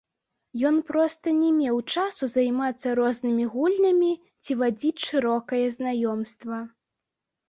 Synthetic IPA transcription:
jɔnpɾɔst̪ɐnʲɛmʲɛwt͡ʂasuzajmat̪sːɐɾɔznɨmʲiɣulʲnɐmʲi | t͡sʲivad͡zʲit͡sʲʂɨɾɔkɐjɛznajɔmst̪vɐ

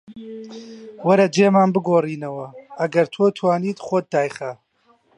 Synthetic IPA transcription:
wɐɾɐd͡ʒeːmaːnbɨɡoːriːnɐwɐʔɐɡɐɾt̪ʰoːt̪ʰwaːniːt̪χoːt̪̚d̪aːjχɐ

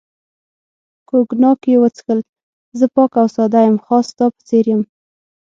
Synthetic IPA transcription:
koɡnɑkjewət͡sxəl | zəpɑkawsɑd̪ajəmxɑst̪ɑpə̥t͡seɾjəm

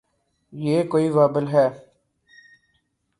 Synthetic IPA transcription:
jeːkoːiːʋaːbəlɦɛː

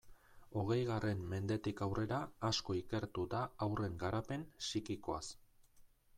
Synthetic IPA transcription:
o̞ɣ̞e̞jɣare̞mːe̞nd̪e̞t̪ikawre̞ɾaːsko̞ike̞ɾt̪ud̪aːwre̞ŋɡaɾape̞nsikiko̞a̰s

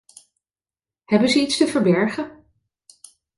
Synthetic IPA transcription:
hɛbənzəitstəvəɹbɛɹχə

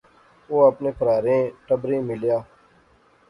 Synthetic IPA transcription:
oːəpneːpʰəɾaːɾẽːʈəbɾẽːmɪljaː

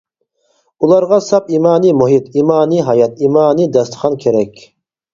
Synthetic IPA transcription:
ulˠɑɾʁɑsɑpimɑːnimuɦit̪ʰimɑːniɦɑjɑt̪imɑːnid̪ɑst̪χɑnkʲʰeɾɛkʲʰ

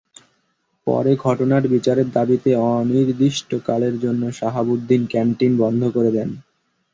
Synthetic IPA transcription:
pɔ̰ɾeɡʱɔʈonaɾbit͡ɕaɾeɾd̪abit̪eɔniɾd̪iʃʈokaleɾd͡ʑonːoʃaɦabud̪ʱːinkɛnʈinbɔnd̪ʱokoɾed̪ɛn

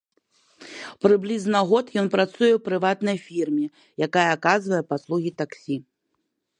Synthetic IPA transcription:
pɾɨblʲiznɐɣɔt̪jɔnpɾat̪sujɛwpɾɨvat̪nɐjfʲirmʲɛ | jakajɐːkazvɐjɛpaslˠuɣʲit̪aksʲi

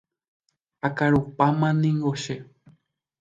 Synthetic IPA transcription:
akaɾupamãnĩŋɡoʃe

